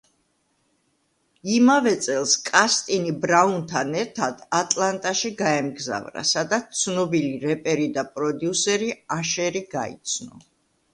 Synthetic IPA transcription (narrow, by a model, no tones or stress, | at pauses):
imavɛt̪sʼɛlˠskʼast̪ʼinibɾaunt̪ʰanɛɾt̪ʰad̪at̪ʼlˠant̪ʼaʃiɡaɛmɡza̰vɾa̰sad̪at̪st̪sʰnɔbiliɾɛpʼɛɾid̪apʼɾɔd̪iusɛɾiaʃɛɾiɡa̰ḭt̪sʰnɔ̰